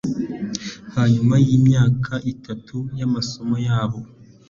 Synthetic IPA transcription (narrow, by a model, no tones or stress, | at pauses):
haɲumajiːmɲaːkʰaʔitʰatʰujamaso̞mojaːβo̞